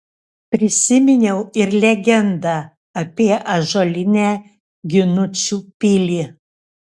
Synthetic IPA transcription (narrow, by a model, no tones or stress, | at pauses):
pʲɾʲɪsʲɪmʲɪnʲɛʊɪɾlʲɛɡʲɛnd̪ɐ | ɐpʲiɛʔɐʒolʲɪnʲæ | ɡʲɪnʊt͡ʃʲuːpʲɪlʲi